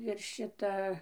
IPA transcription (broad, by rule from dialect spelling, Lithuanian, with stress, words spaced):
ɪr ˈʃʲɪtɐ